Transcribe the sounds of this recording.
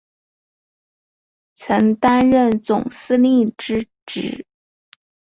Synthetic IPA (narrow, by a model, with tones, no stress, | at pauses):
t͡sʰɤ˧˥ŋt̪a˥nɻə˥˩nt͡sʊ˨˩ŋsɹ̩˥li˥˩ʈ͡ʂɻ̩˥ | ʈ͡ʂɻ̩˨˩˦